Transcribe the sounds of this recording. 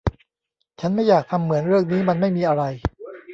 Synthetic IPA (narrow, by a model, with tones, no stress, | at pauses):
t͡ɕʰa˦˥nma˥˩jːaː˨˩k̚t̪ʰa˧mːɯ˩˦ənɾɯ˥˩əŋ̚niː˦˥ma˧nma˥˩jmiː˧ʔa˧ɾa˧j